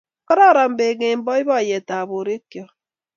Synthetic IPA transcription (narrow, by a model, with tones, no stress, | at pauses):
kɔ˦ɾɔ˦˨ɾa˨m̩˨be˨ŋe˨m̩˦bɔ˦i˦βɔ˦˨je˨ta˨βo˨ɾe˦kjɔ˦